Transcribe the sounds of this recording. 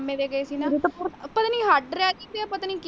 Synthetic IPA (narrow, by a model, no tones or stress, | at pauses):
mẽːʋeːɡəeːsiːnãit̪opət̪aːniːɦaɖɾɪaːd͡ʒid̪eapət̪aːnĩːk